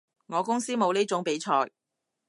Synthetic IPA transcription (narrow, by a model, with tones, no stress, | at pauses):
ŋɔː˨˧kʊ˥ŋsiː˥mo˨˧wniː˥t͡sʊ˨˧˥ŋpe˨˥jt͡ʃʰɔː˧j